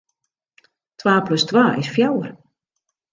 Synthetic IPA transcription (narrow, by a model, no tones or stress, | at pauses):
tʰwaːpløstwaːʔɪsfjawər